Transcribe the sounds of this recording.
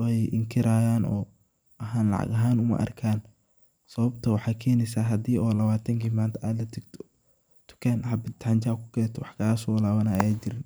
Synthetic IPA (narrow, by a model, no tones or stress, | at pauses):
ɛjʔɪŋkʰɪɾaːjaːnɔ̰ː | ʔɐɦaːnlɑ̰ʕɑ̰ɡɐɦaːnʊmɐ̰ʔɐ̰rkʰaːn | sɐβɐbt̪ʰɐwɑħɑːkʰɛːnɛsaːɦɐd̪iːɔːlɐβaːt̪ʰɐŋkʰiːmaːnt̪ʰɐaːd̪lɐt̪ʰɐɡt̪ʰɔ̥ | t̪ʰʊ̥kʰaːnħɑbɪt̪aɲt͡ʃaːkʰʊ̥kʰɛːt̪ʰɔwɑħkʰaːsɔwlaːβɐnajaːt͡ʃɪɾɪn